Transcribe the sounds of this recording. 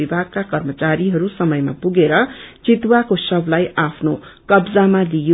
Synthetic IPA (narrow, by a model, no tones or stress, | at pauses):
ibʱaɡ̚kakʌrmʌt͡saɾiɦʌɾusʌmʌjma̰puɡeɾʌt͡sit̪wakosʌblajapʰnokʌbd͡zamalijo